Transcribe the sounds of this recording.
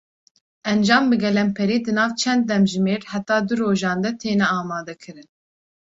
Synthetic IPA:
ʔɛnd͡ʒɑːmbɨɡɛlɛmpʰɛɾiːd̪ɨnɑːvt͡ʃʰɛnd̪̚ːɛmʒɨmeːɾhæt̪ɑːd̪ɨɾoːʒɑːnd̪ɛt̪ʰeːnɛɑːmɑːd̪ɛkʰɨɾɨn

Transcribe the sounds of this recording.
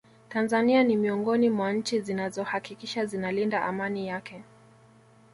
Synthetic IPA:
tanzanianimiɔŋɡɔnimwaɲ̩t͡ʃizinazɔhakikiʃazinalindaʔamanijakɛ

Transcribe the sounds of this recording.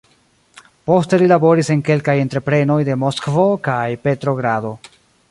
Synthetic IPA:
po̞ste̞lilabo̞ɾise̞ŋke̞lkaje̞ntɾe̞pɾe̞no̞jde̞mo̞skvo̞kajpe̞tɾo̞ɡɾado̞

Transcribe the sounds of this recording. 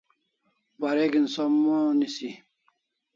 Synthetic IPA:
baɾeɡinsɔmonisi

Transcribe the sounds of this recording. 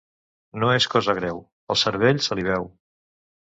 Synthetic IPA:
noeskɔzəɣɾɛw | əlˠsəɾβ̞eʎsəliβ̞ɛw

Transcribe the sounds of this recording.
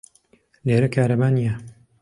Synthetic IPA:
leːɾɐkʰaːɾɐbaːnijɐ

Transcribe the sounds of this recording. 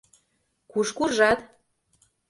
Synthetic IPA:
kuʃkurʒɑt̪

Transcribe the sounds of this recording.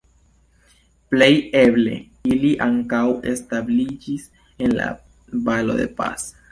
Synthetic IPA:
pleje̞ble̞̰ | iliʔaŋkawe̞stablid͡ʒis | enla̰ | balo̞̰d̪e̞̰pa̰s

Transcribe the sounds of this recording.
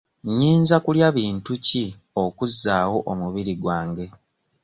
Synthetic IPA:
ɲiːnzakuljaβiːntuci | okuzːaːwo̞ʔomuβiɾiɡwaːŋɡe̞

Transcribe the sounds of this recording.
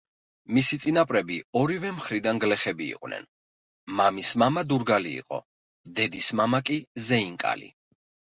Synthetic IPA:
misit̪sʼinapʼɾɛbiɔɾivɛmχɾid̪anɡlɛχɛbḭːqʼwnɛ̰n | mamismamad̪uɾɡalḭːqʼɔ̰ | d̪ɛd̪ismamakʼizɛiŋkʼa̰lḭ

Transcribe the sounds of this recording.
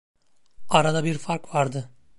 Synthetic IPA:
aɾad̪abiɾfaɾkvaɾd̪ɯ

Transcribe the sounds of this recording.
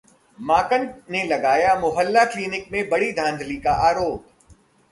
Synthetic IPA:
maːkə̃ɳʈnelɐɡaːjamʊɦəlːakliːnɪk̚mẽbɐɽid̪ʱãːnd̪ʱlikaʔaːɾoːp

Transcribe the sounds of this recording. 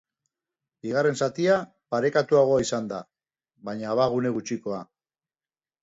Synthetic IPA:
biɣ̞are̞nsat̪ia | paɾe̞kat̪uaɣ̞o̞aisand̪a | βajɲaːβaɣ̞une̞ɣ̞ut͡ʃiko̞a

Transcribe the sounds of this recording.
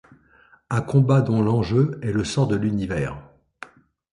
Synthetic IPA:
ãkɔ̃bad̪ɔ̃lɑ̃ʒøɛləsɔ̃ʁd̪əlynivɛːʁ

